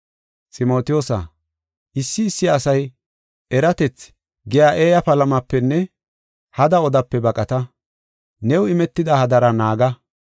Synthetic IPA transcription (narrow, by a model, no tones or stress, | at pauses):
t͡sʼɪmo̞ːt̪ɪjoːsɐ̰ | ʔɪsːɪːsːɪːsɐj | ʔɛɾɐt̪ɛt͡s | ɡɛjaːʔeːjɐpɐlɐmɐpːɛnːɛ | hɐd̪ɐɔd̪ɐpːɛbɐkʼɐt̪ɐ | nɛwɪmɛt̪ːɪd̪ɐhɐd̪ɐɾɐnaːɡɐ